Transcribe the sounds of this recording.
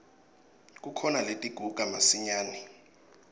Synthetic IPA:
kʼukʰɔnaletʼiɡ̥ʱuɡ̥ʱamasiɲaːnɛ

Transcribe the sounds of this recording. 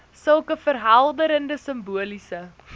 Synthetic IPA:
səlˠkəfərɦɐlˠdəɾəndəsəmbuəlisə

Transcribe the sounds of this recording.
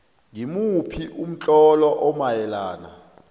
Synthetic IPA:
ŋimupʰiʔum̩t͡ɬʼɔlɔʔɔmajɛlaːna̰

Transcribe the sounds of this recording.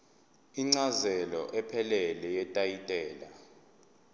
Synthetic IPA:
iŋ͡ǀazɛlɔ̰ʔɛpʰɛlɛlɛjɛtʼajitʼɛːla

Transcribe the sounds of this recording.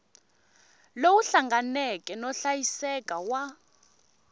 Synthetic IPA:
lowuɬaŋɡanɛkʼɛnɔɬajisɛkʼawa

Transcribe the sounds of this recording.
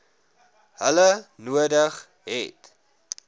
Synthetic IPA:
ɦələnuədəχ | ɦɛ̰t

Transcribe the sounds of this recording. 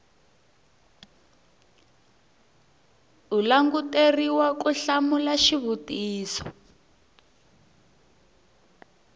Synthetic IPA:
ulaŋɡuteriwakuɬamulaʃiβutiːsɔ̥

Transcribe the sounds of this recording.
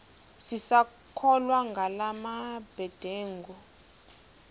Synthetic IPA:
sisa | kʰɔlwaŋɡʱalamab̥ʱɛd̥ʱeːŋɡɔ

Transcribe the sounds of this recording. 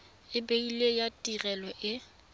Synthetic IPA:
ɪbeilejatʼirɛlɔʔɪ

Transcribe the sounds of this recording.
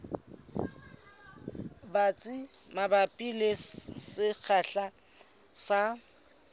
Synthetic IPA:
bat͡sʼimabapʼilessɪk͡xʰaɬa | sa

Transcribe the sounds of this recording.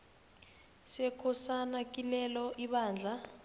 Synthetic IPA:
sɛkʰɔsanakʼilɛlɔʔiɓaːnd͡ɮʱa

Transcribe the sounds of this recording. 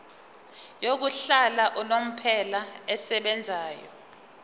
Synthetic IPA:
jok̬uɬalaʔunom̩pʰɛlaɛsɛɓɛnd͡zʱaːjɔ̰

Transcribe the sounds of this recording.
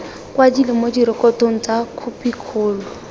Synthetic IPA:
kwadilɪmodiɾɪkɔtoŋ̩t͡sakʰupikʰʊːlʊ

